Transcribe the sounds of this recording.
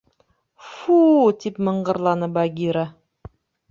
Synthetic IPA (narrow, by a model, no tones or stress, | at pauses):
fut̪ipmɤ̆ɴɢɤ̆ɾlˠɑnɤbaɡʲiɾa